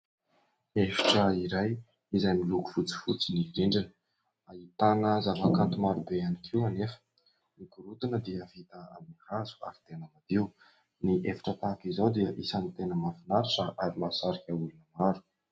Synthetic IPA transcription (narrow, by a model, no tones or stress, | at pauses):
efi̥ʈ͡ʂəiɾaj | izajmiluku̥fut͡si̥fut͡siniɾeɳɖ͡ʐinə̥ | ait̪anəzavakant̪umaɾubeanikʰiwanefə̥ | ikuɾut̪inəd̪iəvit̪əamihazu̥a̰ɾit̪enamad̪iu | niʔefi̥ʈ͡ʂət̪akizawd̪iəʔisanit̪enəmavinaɾiʈ͡ʂəʔaɾimasaɾikʲaulunəmaɾu̥